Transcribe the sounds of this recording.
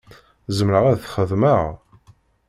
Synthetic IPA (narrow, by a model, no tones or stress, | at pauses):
zəmɾəʁæðθχəðməʁ